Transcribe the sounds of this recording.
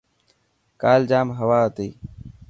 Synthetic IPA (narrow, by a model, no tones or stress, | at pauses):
kaːld͡ʒaːmɦəʋaːət̪eː